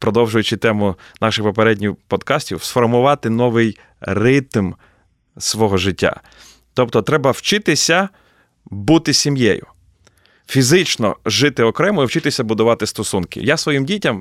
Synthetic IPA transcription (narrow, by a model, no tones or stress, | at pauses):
pɾɔd̪ɔwʒʊjʊt͡ʃɪt̪ɛmʊnɑʃɪxpɔpeɾɛdʲnʲiwpɔd̪kɑsʲtʲiwsfɔrmʊʋɑt̪ɪnɔʋɪj | rɪt̪m | sʋɔɦɔʒɪtʲːa̰ | t̪ɔp̚t̪ɔt̪ɾɛbɐwt͡ʃɪt̪ɪsʲɐ | but̪ɪsʲimjɛjʊ̰ | fʲizɪt͡ʃnɔ̰ʒɪt̪ɪɔkɾɛmʊiwt͡ʃɪt̪ɪsʲɐbʊd̪ʊʋɑt̪ɪst̪ɔsunkɪ̰jasʋɔjimdʲitʲɐm